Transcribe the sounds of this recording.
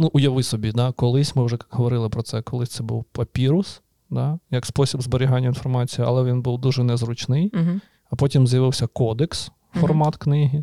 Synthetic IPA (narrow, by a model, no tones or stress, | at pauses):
nuʔujɐʋɪsɔbʲid̪ɑkɔlˠɪsʲmɪwʒɛkkɦɔʋɔɾɪlˠɪpɾɔt̪sɛkɔlˠɪsʲt̪sɛbṵwpɐpʲiɾʊs | d̪ɑjɐkspɔsʲibzboɾʲiɦɑnʲːɐinfɔrmɑt͡sʲijiɐ̰lˠɛʋʲinbuwd̪uʒɛnɛzrʊt͡ʃnɪj | ɐpɔtʲimzjɐʋɪwsʲɐkɔd̪ɛks | fɔrmɑt̪knɪɦʲi